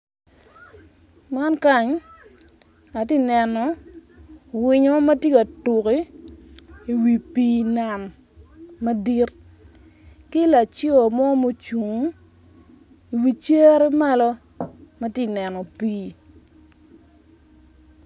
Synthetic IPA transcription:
ma˦nka˦ɲ | a˨ti˦nɛ˨nɔ˨ | wɪ˨ɲo˦ma˦tji˦ka˨tu˨ki˦ | i˨wi˨piː˦na˨n | ma˦di˦r | kɪ˦la˨t͡ʃjmɔ˦mo˦t͡ʃu˨ŋ˦ | i˨wi˨t͡ʃe˦ɾe˦ma˦lɔ˦ | ma˦tɪ˦nɛ˨nɔ˨piː˦

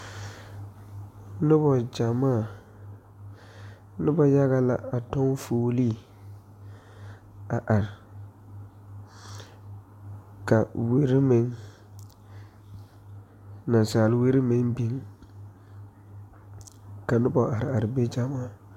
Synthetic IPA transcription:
nʊ˦bɔ˨d͡ʒa˨maː˦˨ | nɪ˦bɔ˦ja˦ɣa˦la˦a˨tɔ˦ŋfoː˨˦li˦˨ | a˨ʔa˨ɾɪ˨ | ka˨we˦ɾi˦me˦ŋ | na˨nsaː˨lwe˦ɾi˦me˦ŋbi˨˦ŋ | ka˨nʊ˦bɔ˨ʔa˨ɾa˨ɾɪ˨be˦d͡ʒa˨maː˦˨

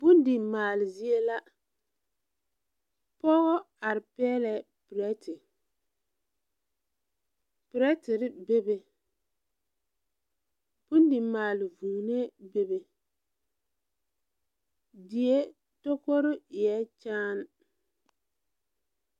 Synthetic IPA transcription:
bʊ˦ndɪ˨maː˨lɪ˨zi˦e˦la˦ | pɔ˦ɣɔ˦ | a˨ɾɪ˨pɛː˦lɛ˨ | pɪ˨ɾɛ˦tɪ˨ | pɪ˨ɾɛ˦tɪ˨ɾɪ˦be˦be˨ | bʊ˦ndɪ˨maː˨lɪ˨vuː˨ne˦be˦be˨ | dɪ˨e˦ | to˦ko˦ɾʊ˦ɪ˨jɛ˦t͡ʃaː˦n

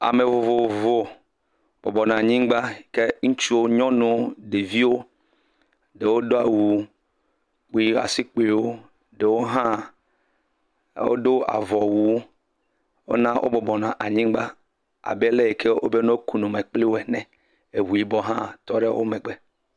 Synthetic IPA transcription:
a̰˨me˨vo˨vo˨vo˦ | b̥ɔ˨bɔ˨nã˨a˨ɲĩ˦ɡ͡ba˦˨ke˦ŋũ˦t͡ʃu˦wo˦ɲɔ̃˦nũ˨˦ɖe˨vi˦wo˦ | ɖe˨wo˦do˦a˨wu˨ | k͡pu˨˦i˦a̰˨si˦k͡pe˨wo˦ | ɖe˨wo˦ɦã˦ | wo̰˦do˦a̰˨vɔ˨wu˨w | wo̰˦nã˦ʔo̰˦bɔ˨bɔ˨nã˨ʔa˨ɲĩ˦ɡ͡ba˦ | a̰˨be˦le˦e˨ke˦o̰˦be˦nɔ̃˦ku˨nũ˨me˨k͡pli˦wo˦ɛ˨nɛ̃˨ | e˨wu˨i˨bɔ˦ɦã̰˦˨t̪ɔ˦ɖe˦wʔo̰˦mɛ̃˨ɡ͡be˦

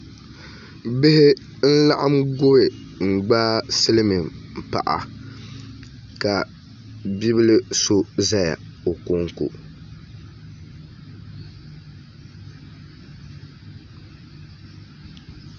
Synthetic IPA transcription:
bɪ˦hɪ˦ | n̩˦la˦ʔa˦mɡo˦ɾɪ˨ | ŋ͡m̩˨ɡ͡baː˦sɨ˦lɨ˦mi˨mpa̰˨ʔa̰˨ | ka˨ | bi˦bɨ˦lɨ˦so˦za˦ja̰˨o˨ko˦ŋ˦kṵ˨

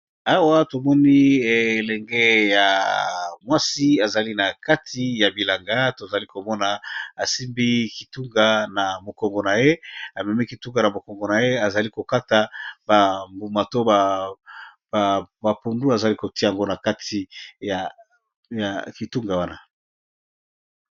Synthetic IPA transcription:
a˦wa˦to˨mɔ˦ni˦e˨lɛ˨ŋɡɛ˦ja̰˨mwa˦si˦a˨za˨li˦na˨ka˦tʰi˨˦ja˨bi˨la˨ŋɡa˦to˨za˨li˦ko˨mɔ˦na˨a˨si˦mbi˦ki˨tu˦ŋɡa˨na˨mo˨kɔ˨ŋɡo˨na˨je˦a˨mɛ˨mi˦ki˨tu˦ŋɡa˨na˨mo˨kɔ˨ŋɡo˨na˨je˦a˨za˨li˦ko˨ka˦ta˨ba˨mbu˨ma˨to˦ba˨ | bba˨pu˨ndu˦a˨za˨li˦ko˨ti˦˨a˨ŋɡo˦na˨ka˦tʰi˨ja˨ | ja˨ki˨tu˦ŋɡa˨wa˦na˨

